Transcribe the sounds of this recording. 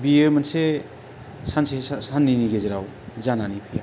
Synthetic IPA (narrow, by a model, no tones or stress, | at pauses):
biemanse | sansesanːiniɡezeɾaw | zananipʰija